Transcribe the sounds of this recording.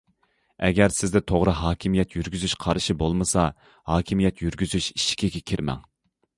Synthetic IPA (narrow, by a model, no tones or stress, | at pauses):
ɛɡʲɛɾsɪzd̪ɛt̪ʰoʁɾɨɦɑːkʲʰimijɛt̪ʰjyɾɡʲyzyʃqʰɑɾɨʃibolˠmɨsɑ | hɑːkʲʰimijɛt̪ʰjyɾɡʲyzyʃi̥ʃi̥kʲʰiɡʲɛkʲʰiɾmɛ̰ŋ